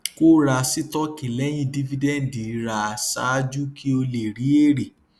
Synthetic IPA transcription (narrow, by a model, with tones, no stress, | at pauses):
ko˦ɾa˧si˦tɔ˦ki˨lɛ˨˦j̃ĩ˧di˦vi˧dɛ˦˨n̩˨di˨˦ɾa˧a˨sa̰˦d͡ʒu˦ki˦o˧le˨ɾi˨˦e˦˨ɾe˨